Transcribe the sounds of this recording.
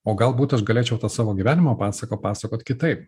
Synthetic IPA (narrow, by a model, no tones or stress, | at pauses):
oːɡɐlˠbuːt̪ɐʃɡɐlʲeːt͡ʃʲɛʊt̪ɑːsɑːʋoːɡʲiʋʲæːnʲɪmɐpɑːsɐkoːpɑːsɐkoːt̪ʲkʲɪt̪ɐɪp